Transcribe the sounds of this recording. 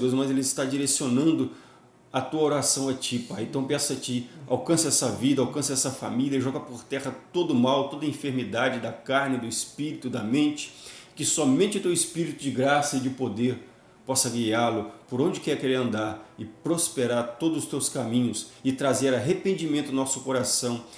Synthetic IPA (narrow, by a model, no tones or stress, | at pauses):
ewzmɐzelɪɪst̪ad͡ʒiɾesionɐ̃nd̪ʊ | ɐt̪uɐoɾasɐ̃w̃ɐt͡ʃipaẽnt̪ɐ̃w̃pɛsɐt͡ʃia̰wkɐ̃sɐɛsɐvid̪ɐawkɐ̃sɐɛsɐfa̰miliɐʒɔɡɐpoɾt̪ɛʁɐt̪od̪ʊmawt̪od̪ɐĩfeɾmid̪ad͡ʒɪd̪ɐkaɾnɪd̪ʊɪspiɾit̪ʊd̪ɐmẽnt͡ʃɪ̥kɪsɔmẽnt͡ʃɪʊt̪ewɪspiɾit̪ʊd͡ʒɪɡɾasɐɪd͡ʒɪpod̪eɾ | pɔsɐɡialʊpoɾõnd͡ʒɪkɛɾkeɾeɾɐ̃nd̪aɾɪpɾospeɾaɾt̪od̪ʊzʊst̪ewskamĩɲʊsɪt̪ɾazeɾaɦepẽnd͡ʒimẽnt̪ʊnɔsʊ̥koɾasɐ̃w̃